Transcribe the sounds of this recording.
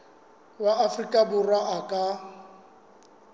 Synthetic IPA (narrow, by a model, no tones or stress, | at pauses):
waʔafrikʼabʊraʔakʼa